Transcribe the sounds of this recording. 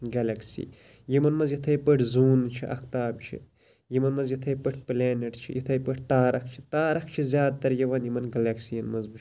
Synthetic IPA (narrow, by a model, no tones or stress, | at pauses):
ɡɐlɐksḭː | jimɐnmɐzjit̪ʰɐjpɐʈʰzuːnt͡ʃʰiʔɐ̰kt̪aːbt͡ʃʰḭ | jimɐnmɐnzjit̪ʰɐjpɐʈʰpleːnɐʈt͡ʃʰḭjit̪ʰɐjpɐʈʰt̪aːɾɐkt͡ʃʰi̥t̪aːɾɐkt͡ʃʰizʲjaːd̪̚t̪ɐɾjɐʋɐnjimɐnɡɐlɐksijɐnmɐzbu